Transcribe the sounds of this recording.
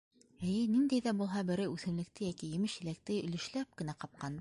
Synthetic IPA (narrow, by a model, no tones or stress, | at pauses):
ɘ̆jɘnind̪æjðæbulˠɦɑbɘ̆ɾɘʉθɘ̆mlɘ̆k̚t̪ɘjækijɘ̆mɘʃjɘ̆læk̚t̪ɘɵ̆lɘ̆ʃlæp̚kɘ̆næqɑp̚qɑn